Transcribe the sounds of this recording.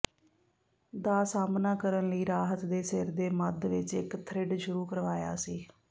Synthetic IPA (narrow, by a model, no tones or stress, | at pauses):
d̪aːsaːmnaːkəɾənləiːɾaːɦət̪d̪eːsɪɾd̪eːməd̪ʋɪt͡ʃɪkt̪ʰɾɪɖʃʊɾuːkəɾʋaːja̰ːsiː